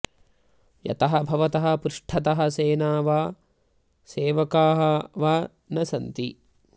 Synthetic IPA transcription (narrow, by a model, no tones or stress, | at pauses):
jɐ̰t̪ɐɦɐbʱɐʋɐt̪ɐɦɐ̆pɾuʂʈʰɐt̪ɐɦɐ̆seːnaːʋaː | seːʋɐkaːɦɐʋaː | nɐsɐnt̪i